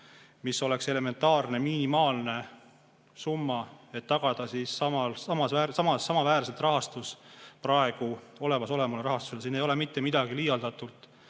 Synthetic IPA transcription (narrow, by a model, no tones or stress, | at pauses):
misːo̞le̞kse̞le̞me̞nt̪ːˑɑːrne̞minimɑːlne̞ | sumːɑe̞t̪ːɑɡ̥ɑd̪̥ɑsisːɑmɑlsɑmɑsvæːɾsɑmɑsːɑmɑvæːɾse̞lt̪rɑɦɑst̪usprɑe̞ɡ̥uo̞le̞mɑso̞le̞mɑleɾɑɦɑst̪u̥selsiːnejo̞le̞mit̪ːe̞mid̪̥ɑɡ̥ilijɑld̪ɑt̪ːult̪ˑ